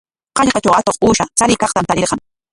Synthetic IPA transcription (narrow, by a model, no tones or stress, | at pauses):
qɑʎqɑt͡ʃawat̪oχuːʃat͡saɾɪkɑχt̪amt̪aɾɪɾqɑŋ